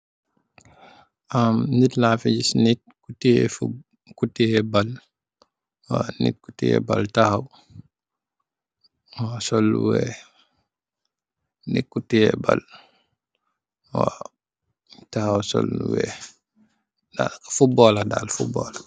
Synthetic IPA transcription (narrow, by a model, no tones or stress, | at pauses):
amnitlafiɟisnit̚ | kutːiɛ̰fu | kutːiɛbal | wa̰nḭt̚ku̥tːijɛ̰baltahaw | wasɔlːṵwɛ | nḭkːutːijɛba̰l | wa | tahawsɔ̰lwɛ̰ | dafubɔːlada̰lfubɔ̰ːla